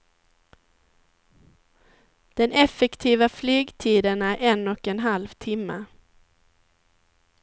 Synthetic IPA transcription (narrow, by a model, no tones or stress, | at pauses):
d̪̥ɛnɛfɛkt̪ʰiːvaflyːɡt̪ʰiːd̪ənæɾʔɛnɔkɛnɦalvt̪ʰɪmːə̰